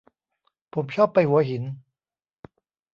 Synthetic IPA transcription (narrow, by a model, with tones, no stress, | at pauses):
pʰo˩˦mt͡ɕʰɔː˥˩pːa˧jhu˨˩˦ɐɦi˩˦n